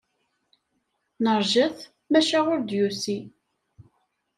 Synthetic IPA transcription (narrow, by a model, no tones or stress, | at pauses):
nəɾˤʒəθ | mæʃaʁʊɾd̪jusi